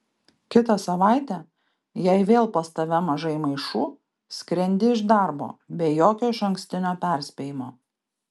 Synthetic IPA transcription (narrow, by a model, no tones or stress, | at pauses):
kʲɪt̪ɐsɐʋɑˑɪt̪ʲæ | jɛɪʋʲeːlˠpɐst̪ɐʋʲɛmɐʒɐɪmɐɪʃuː | sʲkɾʲɛnʲd̪ʲɪɪʒd̪ɑˑɾbo̰ːbʲeːjoːkʲoːɪʃɐŋʲksʲt̪ʲɪnʲoːpʲæˑɾʲsʲpʲeːjɪmoː